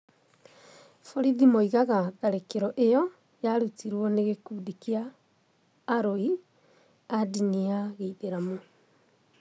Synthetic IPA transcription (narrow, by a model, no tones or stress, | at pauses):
foɾiðimoiɣaɣaɣaɾekeɾɔʔejɔ | jaɾutiɾwɔneɣekuːdikiaː | ɾoi | adiniaɣeiðeɾamo